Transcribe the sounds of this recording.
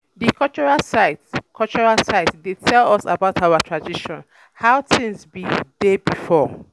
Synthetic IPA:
dikʰɔt͡ʃɔɹasatkʰɔlt͡ʃɔɹasaɪtdetʰɛlɔsa̰baʊtʰawatʰɹadiʃɔ̃n | haʊtɪ̃ŋsbidebifɔ

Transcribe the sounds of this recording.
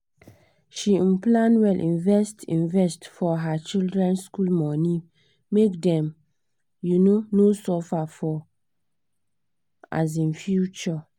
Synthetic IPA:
ʃiĩmplãnwɛlʔĩnvɛstʰĩnvɛstfɔɦat͡ʃildɹɛ̃nskulmɔ̃nĩ | mekdɛ̃m | junonosɔfafɔ | a̰z̬ĩnfjut͡ʃɔ

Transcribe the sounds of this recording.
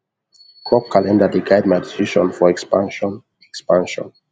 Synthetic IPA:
kʰɹɔp̚kʰalɛ̃ndədiɡaɪdmadisiʃɔ̃nfɔɛkspãnʃɔ̃n | ɛkspãnʃɔ̰̃n

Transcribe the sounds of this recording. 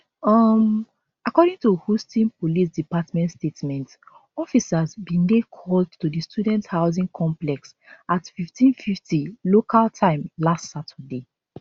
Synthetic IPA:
ʌm | akɔɾĩŋtuhustĩnpolis̬dipatmɛ̃ntstetmɛ̃nt | ɔfisazbĩndekʰɔldtudistudɛ̃nthaʊzĩŋkʰɔ̃mplɛks | atfiftʰĩnfiftilokʰaltʰãɪ̃mlastsatʰəde

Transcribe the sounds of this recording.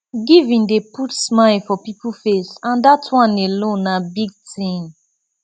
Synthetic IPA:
ɡivĩndeputsmaɪlfɔpipufesãndatʰwɔ̃nelõnːabiɡ̚tĩm

